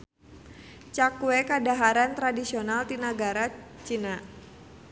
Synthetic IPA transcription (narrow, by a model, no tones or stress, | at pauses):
t͡ʃakuekadaɦaɾant̪ɾadisionalt̪inaɡaɾat͡ʃina